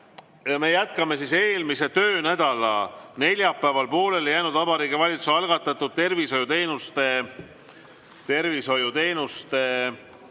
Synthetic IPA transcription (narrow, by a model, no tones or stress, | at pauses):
jɑme̞jæt̪kɑme̞sise̞ːlmise̞t̪ø̞ːnæd̪̥ɑlɑ̰ne̞lʲjɑpːæːvɑlpo̞ːle̞ljæːnud̪ɑbɑɾiːɡivɑlʲit̪susɑlɡ̥ɑt̪ːˑɑt̪ːˑud̪̥̚t̪e̞rviso̞jut̪e̞ːnust̪e̞ | t̪e̞rviso̞jut̪e̞ːnust̪e̞